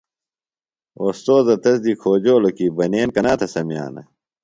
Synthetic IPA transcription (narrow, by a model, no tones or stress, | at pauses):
oːst̪oːzɐt̪ɐsd̪ikʰoːd͡ʑoːlokibɐneːnkɐnaːt̪ʰɐsɐmija̰ːnɐ̰